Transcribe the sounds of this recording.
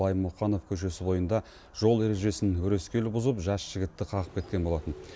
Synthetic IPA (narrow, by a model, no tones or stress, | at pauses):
ɑjəmːʊqɑno̞fkʲʰɵʃ̬e̞sɪbo̞jənd̪ɑ | ʒ̥o̞lˠe̞ɾe̞ʒe̞sɪnʲʏɾe̞skʲe̞lɪbʊzəpʒɑsʒ̥ɪɡʲɪt̪ːɪqʰɑʁəp̚kʲe̞t̪̚kʲenbo̞lˠɑt̪ən